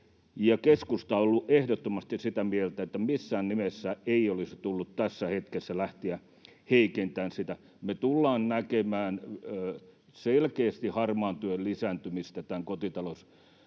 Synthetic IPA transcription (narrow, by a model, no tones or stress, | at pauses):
jɑkeskust̪ɑolːuʔehdot̪ːomɑst̪issit̪æmielt̪æet̪ːæmisːæːnnimesːæeiolisi̥t̪ulːut̪t̪æsːæhet̪kesːælæht̪iæ | heikent̪æːnsit̪æ | met̪ulːɑːnnækemæːnː | selkeːst̪ihɑrmɑːnt̪yøllisæːnt̪ymist̪æt̪æŋkot̪it̪ɑlos